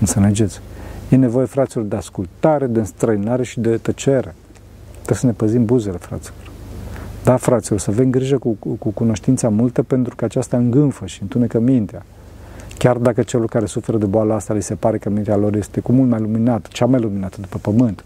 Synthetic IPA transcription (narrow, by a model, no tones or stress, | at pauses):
ɨnseled͡ʒe̞t̪sʲje̞ne̞vo̞je̞fɾat̪silo̞rd̪easkult̪aɾe̞d̪e̞ɨnst̪ɾəinaɾe̞ʃid̪e̞t̪ət͡ʃe̞ɾe̞ | t̪ɾesəne̞pəzimbuze̞le̞fɾa̰t̪silo̞rd̪afɾat̪silo̞rsəave̞mɡɾiʒəkukukuno̞ʃt̪int̪samult̪əpe̞nt̪ɾukəat͡ʃast̪aɨŋɡɨnfəʃiɨnt̪unekəmint̪ea | kʲard̪akət͡ʃe̞lorkaɾe̞sufe̞ɾəd̪eboaləast̪alise̞paɾe̞kəmint̪ealo̞rje̞st̪e̞kumult̪majluminat̪ə̥t͡ʃamajluminat̪əd̪upəpəmɨnt̪